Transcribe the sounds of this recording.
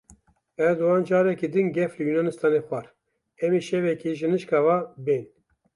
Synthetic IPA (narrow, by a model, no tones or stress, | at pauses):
ɛɾd̪uwɑːnd͡ʒɑːɾɛkid̪ɨnɡɛflɨjunɑnɨst̪ɑːnexʷɑɾ | ɛmiʃɛvɛkiʒɨnɨʃkɑːvaben